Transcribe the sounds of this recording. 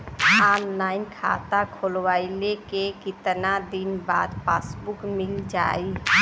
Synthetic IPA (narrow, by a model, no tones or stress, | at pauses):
aːnlaːɪnkʰa̰ːt̪akʰolwaːilekekɪt̪nad̪inbaːd̪paːsbʊkmɪld͡ʒa̰ːi